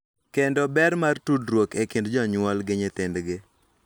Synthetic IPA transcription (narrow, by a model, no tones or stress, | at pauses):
kendɔbɛɾmartudɾwokekɪndd͡ʒɔɲwɔlɡɪɲɪt̪ɪndɡɪ